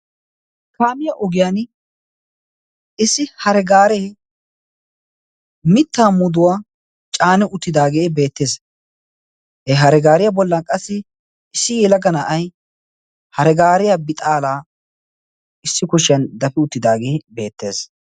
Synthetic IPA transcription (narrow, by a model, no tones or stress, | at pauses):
kaːmɪjaʔɔɡɪjaːn | ɪsːɪhɐɾɛɡaːɾeː | mɪt̪ːaːmʊd̪ʊwaː | t͡ʃʼaːnɪʔʊt̪ːɪd̪aːɡeːbe̞ːt̪ːe̞ːs | hɛɦɐɾɛɡaːɾɪjabɔlːɐkʼɐsːɪ | ɪsːɪjɛlɐɡɐnɐʔɐj | hɐɾɛɡaːɾɪjabɪt̪ʼaːlaː | ɪsːɪkʊʃɪjɐnd̪ɐfɪʊt̪ːɪd̪aːɡeːbe̞ːt̪ːe̞ːs